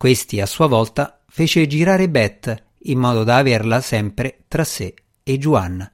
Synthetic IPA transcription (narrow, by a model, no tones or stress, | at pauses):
kwest̪iasːuːavɔlt̪a | feːt͡ʃed͡ʒiɾaːɾebɛt̪ː | imːɔːd̪od̪aːverlasɛmpɾet̪ɾasːe | ed͡ʒːuanːa